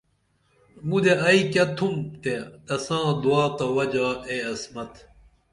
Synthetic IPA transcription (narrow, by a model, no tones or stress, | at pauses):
mud̪eʔɐikɐt̪ʰumt̪et̪ɐsãːd̪uaːt̪ɐwɐd͡ʑaeɐsmɐt̪